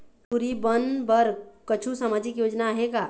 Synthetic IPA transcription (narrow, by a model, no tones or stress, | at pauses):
pʰuɾibənbəɾkət͡ʃʰusaːmaːd͡ʒɪkjoːd͡ʒnaɦeɡaː